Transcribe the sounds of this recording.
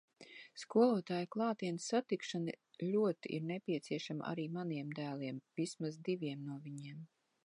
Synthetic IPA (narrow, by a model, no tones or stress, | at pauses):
skuɔlˠuɔt̪aːjklˠɑːt̪iɛnsːat̪ikʃanɨlʲuɔt̪iʔḭɾnepʲiɛt̪siɛʃam̰ʔa̰ɾiːmaniɛmd̪æːlˠiɛmvismazd̪ivʲiɛmnuɔvʲiɲiɛm